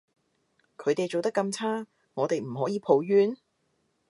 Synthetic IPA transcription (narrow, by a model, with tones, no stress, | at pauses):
kʰɵ˨˧ɥt̪e˨jt͡ʃo˨wt̪ɐ˥kːɐ˧mt͡sʰaː˥ | ŋɔː˨˧t̪e˨jm̩˨˩ɦɔː˨˥jiː˨˧pʰo˨˧wjyː˥n